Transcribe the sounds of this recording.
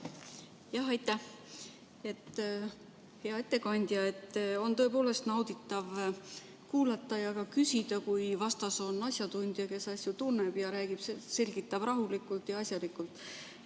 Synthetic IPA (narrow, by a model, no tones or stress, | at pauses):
jɑɦɑjt̪ːˑæh | e̞t̪ːˑ | he̞ɑe̞t̪ːe̞kɑnʲd̪̥jɑe̞t̪ːˑo̞nt̪o̞epoːle̞st̪nɑwd̪it̪ːˑɑv | kuːlɑt̪ːˑɑjɑkɑkysʲid̪̥ɑkujvɑst̪ɑso̞nːɑsʲjɑt̪unʲd̪̥jɑke̞sɑsjut̪unːeb̥jɑɾæːɡ̥ib̥sese̞lʲɡ̥it̪ːˑɑb̥rɑɦulikːˑult̪jɑɑsʲjɑlikːˑult̪ːˑ